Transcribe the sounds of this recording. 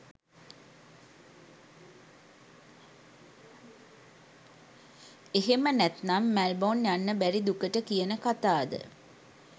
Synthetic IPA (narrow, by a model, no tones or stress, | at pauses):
eɦemənæt̪namːælbonjanːəbæɾid̪ukəʈəkijənəkat̪aːd̪ə̰